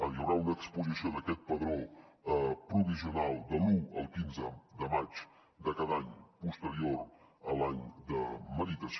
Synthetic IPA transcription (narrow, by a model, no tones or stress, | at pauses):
əʎəwɾaunəkspuzisioðəkɛt̪̚pəðɾo | pɾuβiziunalˠd̪əluə̰lˠkinzəd̪əmat͡ʃ | d̪əkaðaɲpust̪əɾioɾəlaɲd̪əməðit̪əs